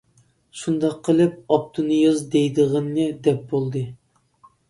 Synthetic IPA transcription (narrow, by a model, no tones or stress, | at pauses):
ʃund̪ɑqʰːəlˠɨp̚ɑp̚t̪ʰɨnɨjɑzd̪ejd̪ɨʁənːɨd̪ɛp̚bolˠd̪ɨ